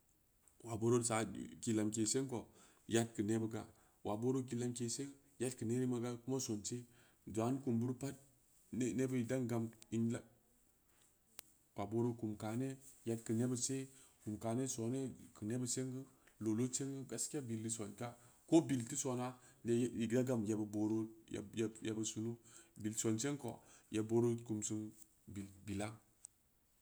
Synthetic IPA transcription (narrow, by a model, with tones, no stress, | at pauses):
wa˨bo˦ɾo˦sa˨˦ki˨la˨mk̬e˨se˦ŋko˨ | ja˦t̚kə˨ne˦bə˦k̬a̰˨ | wʔa˨bo˦ɾo˦k̬i˦la˦mke˨se˦ŋ | ja˦tkə˨ne˦ɾi˦ma˨˦ɡa˦ku˦ma˦so˨nt͡ʃe˦ | da˨˦n˦ku˨mbu˦ɾpa˦t̚ | ne˦bə˦i˨da˦ŋɡa˨mi˦nla˦ | pa˨bo˦ɾo˦ku˨mka˨ne˦ja˨tkə˨ne˦bə˨se˦ | ku˨mka˨ne˦so˨ne˦kə˨ne˦bə˦se˦ŋɡə˦lo˨lo˦t͡ʃe˦ŋɡə˦ɡa˦skʲa˦bi˨ldi˦so˨nka˦ko˦bi˨lti˦so˨na˦n˦i˨ɡda˦ɡa˨mja˨bə˨bo˨ɾo˦j̰jje˨bə˨su˨nu˦bi˨lso˨nt͡ʃe˦ŋko̰˨ja˨bo˦ɾo˦ku˨msu˦n | bi˨lbi˨la˦